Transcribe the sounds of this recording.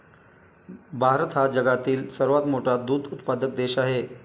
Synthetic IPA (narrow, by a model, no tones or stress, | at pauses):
bʱaɾət̪ɦad͡ʑəɡat̪iːlsəɾʋat̪moʈʰad̪uːd̪ut̪pad̪ək̚d̪eɕaɦe